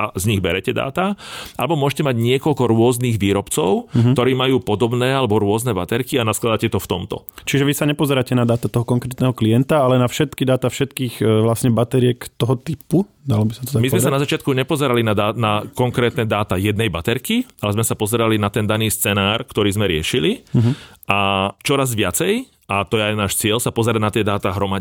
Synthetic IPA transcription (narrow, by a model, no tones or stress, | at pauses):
ʔazɲiɣbɛɾɛcɛd̪a̰ːt̪aʔalɛbɔmʊɔʒɛcɛmaɟɲɪɛkɔʎkɔɾʊɔzniːɣʋiːɾɔpt͡sɔʊkɦkt̪ɔɾiːmajuːpɔd̪ɔbnɛːalɛbɔɾʊɔznɛːbat̪ɛɾkianasklad̪aːcɛt̪ɔft̪ɔmt̪ɔ̰t͡ʃiʒɛʋisaɲɛpɔzɛɾaːcɛnad̪aːt̪at̪ɔɦɔkɔŋkɾɛːt̪nɛːɦɔklijɛnt̪aalɛnafʃɛt̪kid̪aːt̪afʃɛt̪kiːɣʋlasɲɛbat̪ɛɾɪɛkt̪ɔɦɔt̪ipud̪alɔbisat̪ɔ̥t̪amizmɛsanazat͡ʃɪat̪kuɲɛpɔzɛɾalinad̪anakɔŋkɾɛːt̪nɛd̪aːt̪ajɛd̪nɛjbat̪ɛɾkialɛzmɛsapɔzɛɾalinat̪ɛnd̪aniːst͡sɛnaːɾkt̪ɔɾiːzmɛɾɪɛ̰ʃiliɦʔat͡ʃɔɾazʋɪat͡sɛj | ʔat̪ɔjɛajnaːʃt͡sɪɛlsapɔzɛɾanat̪ɪɛd̪aːt̪aɦɾɔmaɟ